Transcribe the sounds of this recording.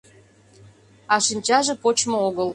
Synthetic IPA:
ɑʃinʲt͡ɕɑʒĕpot͡ɕmŏoɡə̆l

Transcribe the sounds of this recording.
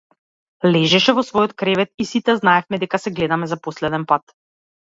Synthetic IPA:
lɛʒɛʃɛvɔsvɔjɔt̪kɾɛvɛt̪isit̪ɛznaɛfmɛd̪ɛkasɛɡlɛd̪amɛzaposlɛd̪ɛnpat̪

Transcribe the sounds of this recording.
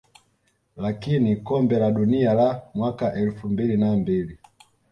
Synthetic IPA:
lakinikɔmbɛlaɗunialamwakaʔɛlfumbilinambili

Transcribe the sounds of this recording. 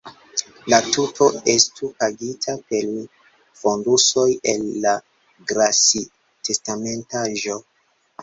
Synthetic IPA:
latutʰo̞estupaɡitʰape̞l | fonduso̞je̞lːa | ɡɾasi | te̞stame̞ntaʒo̞

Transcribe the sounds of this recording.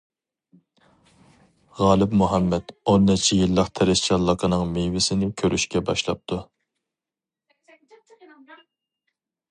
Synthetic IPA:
ʁɑːlˠɪpmuɦɛmːɛt̪onːɪt͡ʃʰijilˠːəqt̪ʰɛɾɪst͡ʃʰɑlˠːəqʰənɨŋmewɪsɪnɪkʲʰøɾʔyʃkʲɛbɑʃlˠɑp̚t̪ʰu

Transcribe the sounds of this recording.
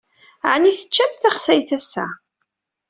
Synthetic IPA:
ʕniθə̥t͡ʃːæmθæχsæjθæsːæ̰

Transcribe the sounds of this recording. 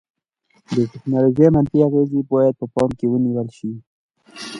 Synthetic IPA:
d̪əʈɪknɑloʒejmanfiaɣezibɑjad̪̚pəpɑmkewəniwəlʃi

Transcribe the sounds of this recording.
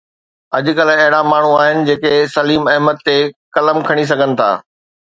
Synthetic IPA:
ɐd͡ʑʊkɐlɐɦɪɽamaːɳ̤uaːɦɪnɪ̆d͡ʑeːkesɐliːmɐɦmət̪ːekɐləmkʰɐɽ̃is̬ɐɡʱənɪ̆t̪ʰa̰ː

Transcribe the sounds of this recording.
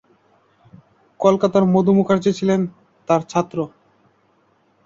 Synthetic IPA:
kolkat̪aɾmod̪ʱumukʰaɾd͡ʑet͡ɕʰilen | t̪aɾt͡ɕʰat̪ːɾo

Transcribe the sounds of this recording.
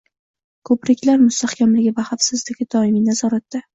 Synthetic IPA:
kʰɵpɾɪkʲʰlaɾmʊst̪ahkʲʰamlɪɡʲɪvahafsɪzd̪ɪɡʲɪd̪ɒɪminazɒɾat̪ːa

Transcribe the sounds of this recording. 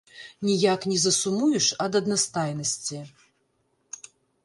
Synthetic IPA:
nʲijaknʲɛzɐsumujuʂɐd̪ɐd̪nast̪ajnɐsʲt͡sʲi

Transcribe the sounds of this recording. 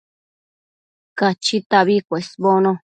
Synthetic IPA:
kat͡ʃit̪aβikʷesβonõ

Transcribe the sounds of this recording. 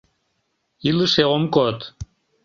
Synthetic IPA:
iləʃeomkot̪

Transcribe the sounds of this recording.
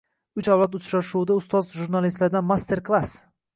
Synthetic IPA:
ʊt͡ʃawlat̪ʊt͡ʃɾaʃuɪd̪aʊst̪ɒzʒuɾnalist̪laɾd̪anmast̪ʰe̞ɾklˠas

